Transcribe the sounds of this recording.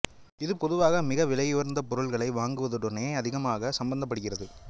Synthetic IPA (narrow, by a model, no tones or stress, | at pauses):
ɪðɯpɔðɯʋaːɣɐmɪɣɐʋɪlɐjoːɾnd̪ɐpɔɾɯɭɣɐɭɐɪʋaːŋɡɯʋɐðɯɽɔneːɐðɪɣɐmaːɣɐsɐmbɐnd̪ɐpːɐɽɯɣɪrɐðɯ